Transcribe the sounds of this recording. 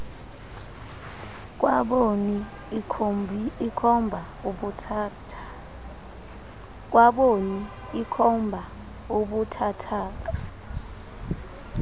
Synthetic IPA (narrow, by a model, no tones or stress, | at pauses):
k̬ʼwaɓoni | ikʰɔmbʱa | uɓutʰ | k̬ʼwaɓoniː | kʰɔmbʱa | uɓutʰatʰaːk̬a